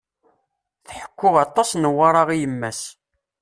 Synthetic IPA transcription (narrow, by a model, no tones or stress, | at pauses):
θħə̥kʷːʊʁɑt̪ˤːɑsnəwɑɾˤɑʁijəmːæs